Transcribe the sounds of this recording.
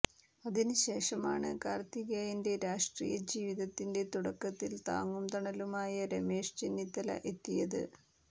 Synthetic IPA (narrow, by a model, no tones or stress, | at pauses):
ɐðinɨɕe̞ːʂɐma̰ːɳɨkaːrt̪iɣaːjinde̞ɾaːʂʈrḭjɐd͡ʑiːʋiðɐt̪ːinde̞t̪uɽɐkːɐt̪ːilt̪a̰ːŋːumt̪ɐɳɐlumaːjɐɾemeːʂt͡ɕinːit̪ːɐlɐ̰ʔe̞t̪ːijɐðɨ̰